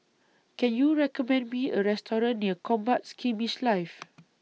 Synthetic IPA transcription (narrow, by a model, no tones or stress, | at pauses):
kɛ̃njuɹɛkɔmɛ̃ndmĩəɹɛstɔɹə̃nːiəkɔ̃mbat̚skĩmiʃlajf